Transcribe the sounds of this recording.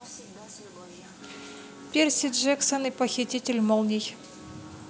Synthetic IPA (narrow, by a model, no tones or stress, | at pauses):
pʲersʲid̪ʐɛksənɨpəxʲitʲitʲɪlʲmolˠnʲij